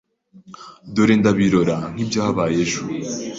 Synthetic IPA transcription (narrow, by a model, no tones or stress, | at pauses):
doɾeːndaβiɾoɾan̥ibjaːβaːjeʒu